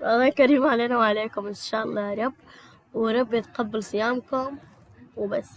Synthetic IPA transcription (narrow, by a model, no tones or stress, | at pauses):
ʔɑlˤːɑːjkaɾiːmʕaleːnawʕaleːkʊmʔɪnʃaːʔɑlˤːɑːɾˤɑb | wɾˤɑbːet̪qɑbːɪlsˤɨjaːmkʊm | wbasː